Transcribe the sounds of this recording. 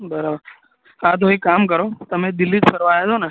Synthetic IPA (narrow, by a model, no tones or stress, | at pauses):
bəɾabəɾ | ɦat̪̬oikaːmkəɾoːt̪əmẽd̪ɪlːit̪pəɾʋaːjet̪ʰoːna